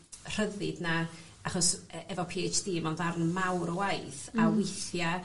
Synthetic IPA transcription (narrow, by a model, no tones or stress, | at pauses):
r̥əðɪdna | aχɔsɛvɔpʰiːajt͡ʃd̥iːmɔndarnmawɾɔwajθawɪθja